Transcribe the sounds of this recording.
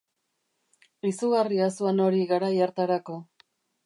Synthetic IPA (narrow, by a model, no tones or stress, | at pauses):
isuɣariasuano̞ɾiɣaɾajaɾt̪aɾako̞